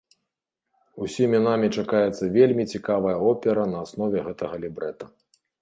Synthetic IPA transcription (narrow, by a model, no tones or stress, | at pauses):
usʲimʲinamʲit͡ʂakajɛt̪sːɐvʲelʲmʲit͡sʲikavɐjɐɔpʲɛɾɐnɐːsnɔvʲɛɣɛt̪ɐɣɐlʲibɾɛt̪ɐ